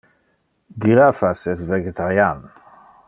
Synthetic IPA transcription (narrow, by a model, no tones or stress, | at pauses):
ɡɾafasɛsvɛɡɛt̪aɾjan